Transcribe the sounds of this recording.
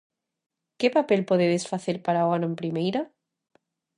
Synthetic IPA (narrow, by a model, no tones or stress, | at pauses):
ke̞papelpweðeðesfaθeɾpaɾaɣwanoempɾimejɾa